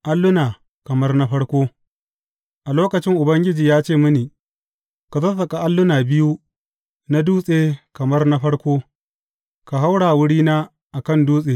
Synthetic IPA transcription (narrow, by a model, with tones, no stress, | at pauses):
ʔa˦lːʊ˦naː˨ | kɐ˨mɐ˦rna˦ɸɐ˦ɽkʷoː˦ | ʔa˨loː˦kɐ˨t͡ʃɪ˦ŋʔʊ˨bɐ˦ŋɡʲɪ˦d͡ʒiː˨jaː˦t͡ʃeː˦˨mʊ˦niː˨ | ka˨tɐ˦sɐ˨kʼa˨ʔa˦lːʊ˦naː˨bɪ˦ju˦ | na˦duː˦sʼeː˨kɐ˨mɐ˦rna˦ɸɐ˦ɽkʷoː˦ | ka˨ɦa˦wɽaː˨wʊ˦ɽiː˦naː˦ | ʔa˨kɐ˦˨nduː˦sʼeː˨